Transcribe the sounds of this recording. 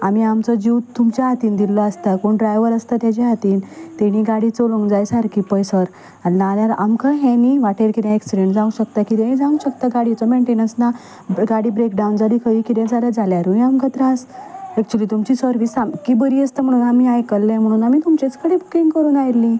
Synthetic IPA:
amiamt͡sɔd͡ʑiwt̪ːumt͡ɕjaat̪iːnd̪ilːɔast̪akoɳɖɾajʋəɾəst̪at̪jat͡ɕeɦat̪iːnt̪eɽ̃iɡaɽit͡soloŋɡd͡zajsaɾkipəjsəɾ | annaljaɾa̰mkaɦɛ̃niʋaʈeɾkiɾjaeksiɖeɳʈd͡zãũɕək̚t̪akit̪ẽĩd͡zãũɕək̚t̪aɡaɽit͡sɔmeɳʈenənsna | ɡaɽibɾekɖawnd͡zalikʰəʋikid̪ad͡zaljad͡zaljaɾuamkət̪ɾasɛk̚t͡ɕuəliːt̪umt͡ɕiːsəɾʋisamkibəɾiəst̪əm̤əɽ̃uːnamiajkəlːẽm̤əɽ̃uːnamiːt̪umt͡ɕet͡skəɽebukiŋɡkəɾuːnajɾlːi

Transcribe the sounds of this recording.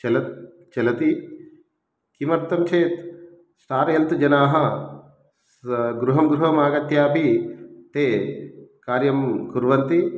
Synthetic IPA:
t͡ʃɐlɐ | t͡ʃɐlɐt̪i | kimɐɾt̪ːɐmt͡ʃʰeːt̪ | sʈaːɾɐjɐnt̪d͡ʒɐnaːɦɐ̆ | ɡɾuɦɐmɡɾuɦɐmaːɡɐt̪jaːpit̪eːkaːɾjɐmkuɾʋɐnt̪i

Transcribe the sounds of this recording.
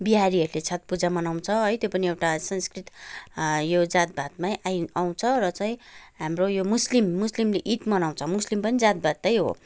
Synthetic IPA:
biɦaɾiɦʌɾulet͡sʰat̪̚pud͡zamʌnaw̃t͡sʰʌɦʌjt̪jopʌniewʈasʌnskrit̪ | jod͡zat̪̚bʱat̪̚majʔajaw̃t͡sʰʌrʌt͡saĩɦamrojomuslimːuslimleʔit̪mʌnaw̃t͡sʰʌmuslimpʌnid͡zat̪̚bʱat̪ːʌjɦo̰

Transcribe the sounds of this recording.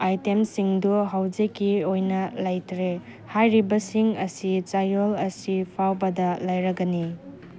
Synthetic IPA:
ajtemsiŋduɦawd͡ʒekːiojnɐlajtʰɾe | hajɾibɐsiŋɐsit͡ʃajolɐsipʰawbɐdɐlajɾɐɡɐni

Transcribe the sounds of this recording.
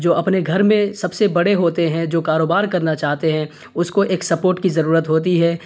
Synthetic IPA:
d͡ʒoːɐpneɡʱɐɾmẽsɐbsebɐɽeɦoːt̪eɦɛ̃d͡ʒoːkaːɾoːbaːɾkɐɾnat͡ʃaːɦt̪eɦɛ̃ | ʊskoʔeːksɐpoːɾʈkizɐɾuːɾət̪ɦoːt̪̬iɦɛː

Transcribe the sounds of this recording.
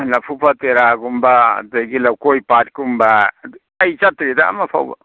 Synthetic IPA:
napʰupʰat̪eɾaɡumbad̪eɡilawkojpat̪kumba | ajt͡ʃat̪ɾid̪a̰mapʰa̰wba̰

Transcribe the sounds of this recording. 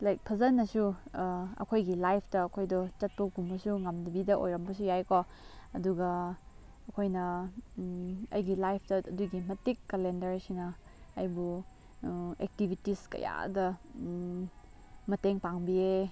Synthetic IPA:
lajk̚pʰɐzɐnːɐsu | ɐ̰kʰojɡilajpʰtɐːkʰojdɔt͡ʃɐt̚pɐɡumbɐsuŋɐmdɐbidɐʔo̰jɾɐmbɐs̬ujajko | ɐduɡɐː | kʰojnɐ | ɐ̰jɡilajpʰtɐɐduɡimɐtikːɐlendɐɾsinɐ | ɐjbu | ek̚tibʱitiskɐ̰ja̰dɐ | mɐteŋpaŋbie

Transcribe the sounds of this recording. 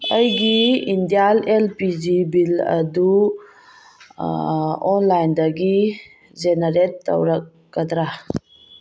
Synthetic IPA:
ɐjɡiind̪ijalelpid͡ʒibilɐ̰d̪u | ɔnlajnd̪aɡi | d͡ʒenəɾetːɐ̰wɾɐk̚ːɐd̪ɾa

